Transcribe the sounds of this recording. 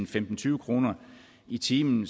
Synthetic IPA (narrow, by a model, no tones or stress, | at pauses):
n̩femd̥n̩t͡sʰyːʊəkʰʁo̝ːnɐ | it͡sʰiːmn̩